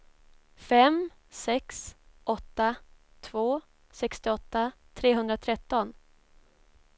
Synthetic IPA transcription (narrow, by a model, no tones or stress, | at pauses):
fɛm | sɛksɔt̪ːa | t̪ʰvoː | sɛkst̪ɪɔt̪ːat̪ʰɾeːɦɵnd̪ɾat̪ʰɾɛt̪ːɔn